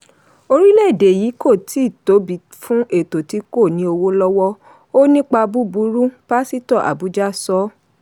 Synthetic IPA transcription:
o˧ɾi˦lɛ˦˨de˨ji˨˦ko˦˨ti˨˦˨to˨˦bi˨ | fũ˦ʔe˦˨to˨ti˨˦ko˦˨nĩ˨˦o˧wo˦lɔ˦wɔ˦ | o˦nĩ˦k͡pa˧bu˦bu˨˦ɾu˦b̥a˦si˦tɔ˦˨ʔa̰˨bu˨˦d͡ʒa˦sɔ˨˦

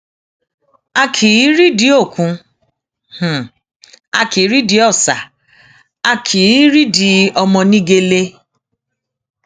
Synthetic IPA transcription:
a˧kʰi˨˦ɾi˦di˨˦o˦˨kũ˨˧ | h̩˨ | a̰˧ki˨˦ɾi˦di˧˦ɔ˦˨sa˨ | a˧kʰi˨˦ɾi˦di˧˦ɔ˧mɔ̃˧nĩ˦ɡe˧le˧

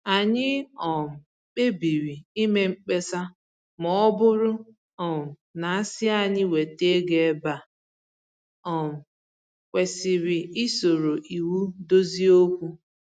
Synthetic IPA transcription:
a˨ɲɪ˦ɔ˨m̩˨ | k͡pe˦bi˨ɾi˨i˦me˦ŋ͡m̩˨k͡pe˦sa˦ | mɔ˨ɔ˦bʊ˦ɾʊ˦ | ɔ˨m̩˨na˨a˦sɪ˦a˦˨ɲɪ˦we˨te˦ɡe˨˦ba˨ | ɔ˨m̩˨ | kʷe˨sɪ˨ɾɪ˨i˦so˨ɾo˨ʔi˨wu˦do˦zi˦o˦kʷu˦

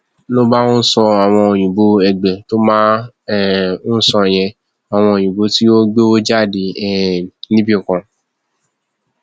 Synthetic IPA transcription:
lo˦ba˦õ˦n̩˦sɔ˧a˨w̃ɔ̃˧o˨j̃ũ˨bo˧ɛ˨ɡ͡bɛ˨to˦mãː˦ | u˦sɔ̃˧˨j̃ɛ̃˧ | a˨w̃ɔ̃˧o˨j̃ũ˨bo˧ti˦o˦ɡ͡bo˦o˦d͡ʒa˦˨de˧ɛ˦˨nĩ˦bi˦o˨kã˨

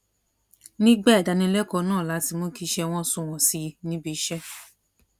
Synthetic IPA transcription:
nĩ˦ɡ͡bɛ˦˨da˧nĩ˧˦lɛ˦kɔ˧nãː˦˨la˨˦ti˧mõ˦ki˧ʃɛ˧w̃ɔ̃˦sũ˧˨w̃ɔ̃˨si˨˧nĩ˦bi˧ʃɛ˦

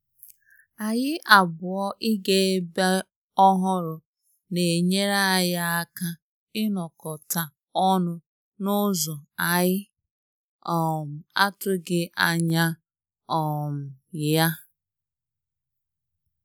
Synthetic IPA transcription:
a˨ɲɪ˦ʔa˨bʊ˨ɔ˦ʔi˦ɡe˦ba˦ | ɔ˦ɦʊ˦ɾʊ˨ | ne˨e˨ɲe˦ɾa˦˨ja˦a˦ka˦ | ɪ˦nɔ˨kɔ˨ta˨ | ɔ˦nʊ˦ | nʊ˦zɔ˨a˨ɣɪ˦ | ɔ˨m̩˨a̰˦tʊ˦ɡɪ˦ʔa˨ɲa˦ | ɔ˨m̩˨ja˦

